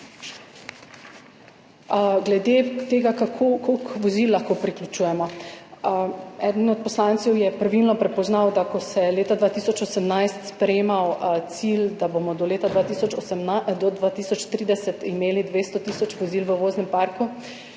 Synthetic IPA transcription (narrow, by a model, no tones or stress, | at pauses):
ɡlɛd̪et̪eːɡakakʰkokʋɔzilːaxkopɾiklʲut͡ʃuːjɛmɔ | ɛd̪ənɔt̪̚pɔslant̪sɛwjɛpɾaʋilnɔpɾɛpɔznawd̪akɔsɛleːt̪ad̪ʋaːt̪isɔt͡ʃɔsɛmnajst̪spɾɛjeːmawt̪sild̪abomɔd̪ɔleːt̪ad̪ʋaːt̪iːsɔt͡ʃɔmd̪ɔd̪ʋat̪iːsɔt͡ʃt̪ɾiːd̪ɛsɛt̪imeːlid̪ʋeːst̪ɔt̪iːsɔt͡ʃʋɔzilʋəʋoːznɛmpaɾku